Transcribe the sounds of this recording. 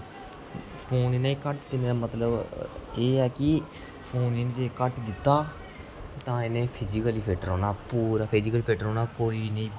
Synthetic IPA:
pʰoːninaĩkəʈt̪ɪnẽːamət̪ləbeːɛːkɪ | pʰoːniːnːd͡ʒeːkəʈd̪ɪt̪ːaː | t̪ãːenẽːpʰɪd͡ʒikəliːpʰeːʈəɾɔːnaːpuːɾaːpʰɪd͡ʒɪkəliːpʰeːʈəɾɦɔːnaːkoːiːnəĩː

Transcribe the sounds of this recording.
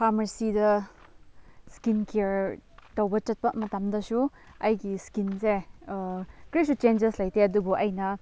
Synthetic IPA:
pʰamɐɾsidɐ | skinkeɾtɐwbɐt͡ʃɐt̚pɐmɐtamdɐsuɐjɡiskinse | kɾisut͡ʃend͡ʒeslɐjtʰeɐdubuʔɐjnɐ

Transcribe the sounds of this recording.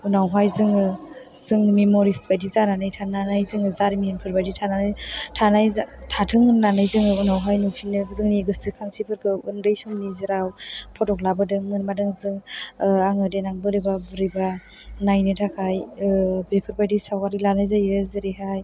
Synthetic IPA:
unawɦajzɯŋɯ | zɯŋmemoɾisbajdizananɯjtʰananajzɯŋɯzaɾiminpʰɯɾbajditʰananɯjtʰanajtʰatʰɯŋnlanajzɯŋɯunawɦajnutʰinɯzɯŋniɡɯstikʰaŋsʰipʰɯɾkʰɯɯndɯjsuŋnizɯɾawpʰɔtɔklabɯdɯŋmɯnmadɯŋzɯŋaŋɯdenaŋbɯɾɯjbabɯɾɯba | najnɯtʰakʰajbepʰɯɾbajdisawkaɾilanajzajɯzɯɾiɦaj

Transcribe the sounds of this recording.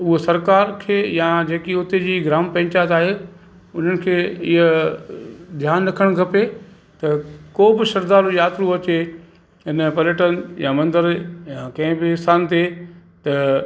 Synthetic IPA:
ʊɦosɐɾkaːɾkʰeːjad͡ʑeːkiʊt̪ed͡ʑiːɡɾaːmpɐ̃ɦɪ̃t͡ɕaːɦt̪aːɦe | ʊn̤ənɪ̆kʰeːɪɦə | d̪ʱjaːnːɐkʰəɽ̃kʰɐpe | t̪ɐkoːbɪʃɐɾd̪aːɾojaːt̪ɾuɐt͡ɕe | ɦɪnpɐljəʈənjãmɐ̃nd̪əɾjãkɐ̃ɦɪ̃bɪɪsaːnt̪e | t̪ɐ

